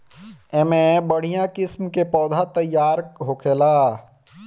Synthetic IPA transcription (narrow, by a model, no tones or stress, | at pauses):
emẽbəɽ̤ijãkɪsmkepɔːd̪ʱat̪əjːaːɾɦokʰeːlaː